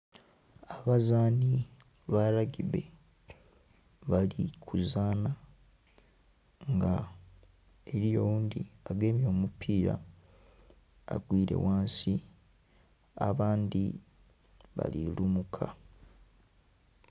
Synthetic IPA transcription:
aβazaːni | βaɾaɟiβe̞ | βalikʰuzaːna | ŋɡa | eɾijo̞wuːndiaɡe̞mjo̞ːmupʰiːɾa̰ | a̰ɡwiːɾe̞̰waːnsi | aβaːnd̪i | βa̰lilumukʰa̰

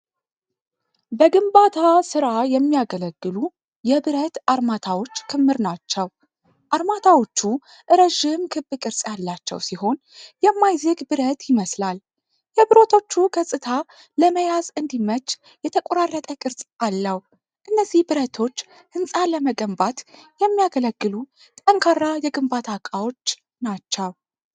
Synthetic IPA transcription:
bəɡɨmbat̪ʰasɨɾajɛmːijaɡələɡːɨlu | jɛbɨɾət̪aɾmat̪ʰawo̞t͡ʃːkʰɨmːɨɾnat͡ʃːɛw | ʔaɾmat̪ʰawo̞t͡ʃːu | ʔɨɾəʒɪmkʰɨbːɨkʼɨɾsʼjalːat͡ʃːɛ̰wsiho̞n | jɛmːajzəɡbɨɾət̪jɪməslal | jɛbɨɾo̞t̪ʰo̞t͡ʃːuɡəsʼɨt̪ʰa | ləməjazɨnd̪imət͡ʃː | jɛt̪ʰəkʷʼoɾarːət̪ʼəkʼɨɾsʼalːəw | ʔɨnːəzːihbɨɾət̪ʰo̞t͡ʃː | hɨnsʼaləməɡəmbat̪jɛmːijaɡələɡːɨlu | t̪ʼəŋkʰarːajɛɡɨmbat̪ʰakʼawo̞t͡ʃː | nat͡ʃːɛw

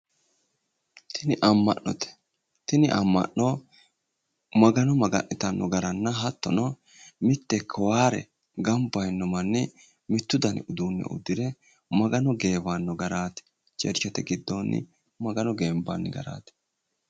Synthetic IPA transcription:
t̪ʰɪnɪʔɐmːɐ̰ʔːɔt̪ɛ̥ | t̪ɪnɪʔɐmːɐ̰ʔːɔ | mɐɡɐnɔmɐɡɐ̰ʔːɪt̪ɐnːɔɡɐɾɐnːɐɦɐt̪ːɔnɔ | mɪt̪ːɛkʰːɔwaːɾɛ̰ | ɡɐmbɐjnːɔmɐnːɪ | mɪt̪ːʊd̪ɐnʊd̪uːnːɛ̰ʔʊ̰d̪ːɪd̪ɛ | mɐɡɐnɔɡe̞ːbanːɔɡɐɾaːt̪ɛ̥ | t͡ʃɛ̰ɾt͡ʃːɔt̪ɛɡɪd̪ːonːɪ̰ | mɐɡɐnɔɡeːmba̰nːɪɡɐ̰ɾa̰ːt̪ɛ̥

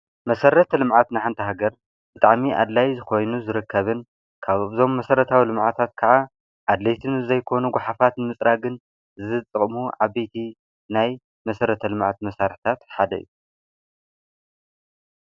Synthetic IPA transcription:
mɐsɐɾɐt̪ʰɐlɨmʕat̪nɨħant̪ʰɐɦaɡɐɾ | b̥ɨt̪ʼa̰ʕmiʔa̰d̪lajzɨxo̞jnuzɨɾɨkːɐβɨn | kʰaβzo̞mːɐsɐɾɐt̪ʰawilɨmʕat̪ʰat̪kʰɐʕa | ʕad̪lejt̪ʰɨnzɐjkʰo̞nuɡʷaħafat̪nɨmɨt͡sʼɾʔaɡɨn | zɨɨt͡s̪ʼɨχʼmuʕaβejt̪ʰi | naj | mɐsɐɾɐt̪ʰɐlɨmʕa̰t̪mɐsaɾħt̪ʰat̪ħad̪ɐ̰ḭju

